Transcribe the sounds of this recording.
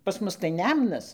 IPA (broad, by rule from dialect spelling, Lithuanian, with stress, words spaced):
pɐs ˈmʊs tɐɪ ˈnʲɛmnɐs